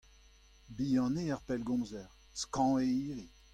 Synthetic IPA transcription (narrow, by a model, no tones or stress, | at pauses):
biːɑ̃neaʁpɛlɡɔ̃ːzɛʁ | skɑ̃eiːʁi